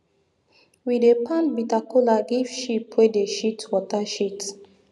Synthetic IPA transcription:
widepãnbitakolaɡiv̥ʃipʰwedeʃitwɔtaʃit

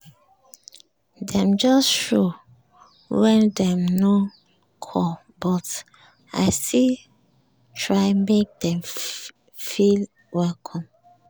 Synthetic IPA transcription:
dɛ̃md͡ʒɔsʃo | wɛ̃ndɛ̃mno | kʰɔ | bɔt | a̰ɪsi | tʰɹaɪmek̚dɛ̃m | fil | wɛlkʰɔ̃m

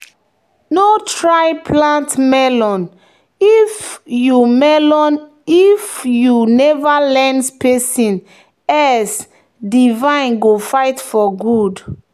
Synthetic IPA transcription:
notɹaɪpʰlãntmɛlɔ̃n | ifjumɛlɔ̃n | ifjunɛvalɛ̃nspesĩn | ɛs | divãɪ̃nɡofaɪtfɔɡud

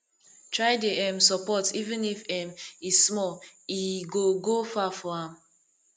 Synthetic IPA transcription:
tʰɹaɪdeɛ̃msɔpɔtivĩnifɛ̃mizsmɔliɡoɡofafɔãm

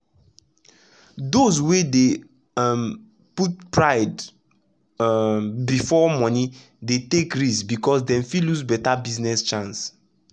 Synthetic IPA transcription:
dozwede | m | put̚pɹaɪd | bifɔmɔ̃ni | detekɹisbikɔsdɛ̃mfiluzbɛtabiznɛst͡ʃãns

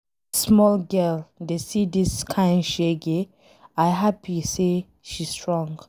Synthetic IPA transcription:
smɔlɡɜldesidiskʰãɪ̃nʃeɡe | aɪɦapise | ʃistʰɹɔ̃ŋɡ

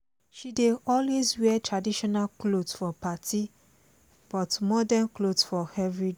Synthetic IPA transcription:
ʃideɔlwezwɛtʰɹadiʃɔnalklodsfɔpatʰi | b̥ɔtmɔdãnklodsfɔhɛvɹid

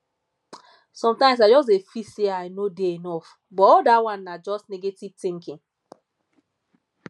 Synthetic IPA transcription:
sɔ̃mtãɪ̃msad͡ʒɔs̬tefiseaɪnodeenɔf | bɔɔldawãnːad͡ʒɔstnɛɡetiv̥tĩŋkĩŋ

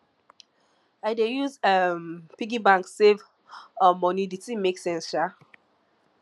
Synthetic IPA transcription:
aɪdejuzɛmpiɡibãŋkssev | ɔmːɔniditĩmeksɛ̃nsʃa

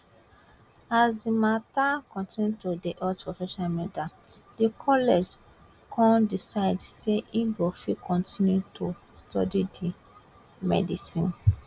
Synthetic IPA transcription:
azdimatakɔ̃ntĩnjutodiʔɔtpɹɔfɛʃɔ̃namɛda | dikʰɔlɛd͡ʒ | kʰɔ̃ndisaɪdseʔibɔfikʰɔ̃ntʰĩnjutʰo | stɔ̰didi | mɛ̰disĩn

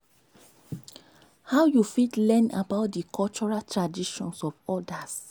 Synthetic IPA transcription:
hawjufitlɛ̃na̰baʊt̚dikʰɔlt͡ʃɔɹaltɹadiʃɔ̰̃nsɔvɔdas

